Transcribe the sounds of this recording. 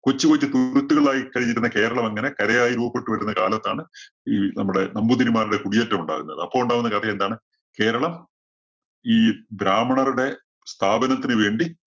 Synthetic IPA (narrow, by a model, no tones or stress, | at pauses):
kot͡ɕːipot͡ɕːɨt̪uɾut̪ːuɣɐɭɭaːjikɐɻiɲːiɾunːɐke̞ːɾɐɭɐmɐŋːɐne̞kɐɾɐjaːjiɾuːbɐpːe̞ʈːuʋɐɾunːɐkaːlɐt̪ːa̰ːɳɨ | iːnɐmːuɽe̞nɐmbud̪inimaːɾiɽe̞kuɽijetːɐmuɳɖa̰ːɣṵnːɐ̰ðɨɐpːoːuɳɖaːʋunːɐkɐt̪ʰɐjend̪aːɳɨ | ke̞ːɾɐɭɐm | iːbɾaːmɐɳɐruɽe̞ | st̪ʰaːbɐnɐt̪ːinɨʋe̞ːɳɖi